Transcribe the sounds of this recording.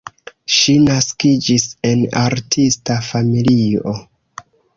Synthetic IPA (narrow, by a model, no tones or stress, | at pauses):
ʃinaskid͡ʒise̞na̰ɾtʰistafamilio̞̰